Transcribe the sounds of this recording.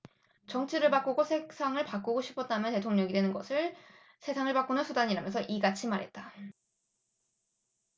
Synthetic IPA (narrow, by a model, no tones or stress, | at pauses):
t͡ɕʌŋt͡ɕʰiɾɯɭpak͈oɡosʰe̞ksʰaŋɯɭpak͈oɡoɕʰi̥pʰʌt̚t͈amjʌnte̞tʰoŋɲʌŋidwe̞nɯnɡʌ̰sʰɯɭ | sʰe̞sʰaŋɯɭpak͈onɯnsʰudaɲiɾamjʌnsʰʌʔiɡat͡ɕʰimaɾɦe̞̰t̚t͈a